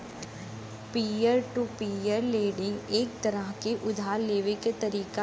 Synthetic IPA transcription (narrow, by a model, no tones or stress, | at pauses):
piːjəɾʈupiːjəɾleːɖɪ̃ŋɡeːk̚t̪ɐɾəɦkeʔʊd̪ʱaːleːʋekt̪ɐɾiːka